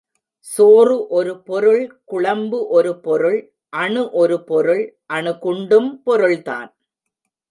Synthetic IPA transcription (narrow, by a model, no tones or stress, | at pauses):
soːrɯʔɔɾɯpɔɾɯɭkʊɭɐmbɯʔɔɾɯpɔɾɯɭ | ʔɐɳɯʔɔɾɯpɔɾɯɭʔɐɳɯkʊɳɖɯmpɔɾɯɭt̪a̰ːn